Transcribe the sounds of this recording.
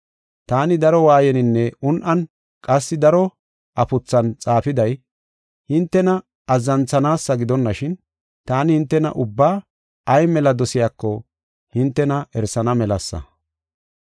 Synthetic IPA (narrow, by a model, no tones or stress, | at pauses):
t̪aːnɪd̪ɐɾɔwaːjɛnɪnːɛʊnʔɐn | kʼɐsːɪd̪ɐɾɔ | ʔɐpʊt͡sːɐnt͡sʼaːfɪd̪ɐj | hɪnt̪ːɛnɐ | ɐzːɐnt͡sːɐnaːsːɐɡɪd̪ɔnːɐʃɪn | t̪aːnɪhɪnt̪ːɛnɐ̰ʔʊbːaː | ɐjmɛlɐd̪ɔsɪjaːkːɔ | hɪnt̪ːɛnɐɛɾsɐnɐmɛlɐsːɐ̰